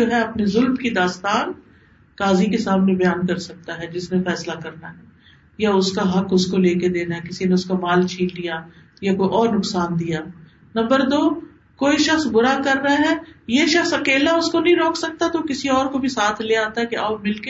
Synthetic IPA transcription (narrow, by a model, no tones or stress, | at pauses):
oːɦɛɐpnezʊlmkid̪aːst̪aːn | kaːzikesaːmnebɐjaːnkɐɾsɐk̚t̪aɦɛd͡ʒɪsnefɛːslakɐɾnaɦɛː | jaʊskaɦɐkʊskoleːked̪eːnaɦɛkɪsineʊskamaːlt͡ʃʰiːldija | jakoːiʔɔːɾnʊksaːnd̪ijaː | nɐ̃mbəɾd̪oː | koːiʃɐxsbʊɾakɐɾːɐɦaɦɛːjeʃɐxsɐkeːlaʊskonɐɦĩɾoːksɐk̚t̪at̪okɪsiɔːɾkobʱisaːt̪ʰleːaːt̪aɦɛkeʔaːbmɪlke